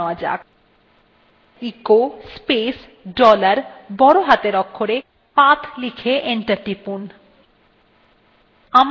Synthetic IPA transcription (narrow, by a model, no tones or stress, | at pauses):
ad͡ʑa̰k | ikospes | ɖɔlaɾbɔɽoɦat̪eɾɔkʰːoɾe | pat̪ʰlikʰeʔeɳʈaɾʈipun | am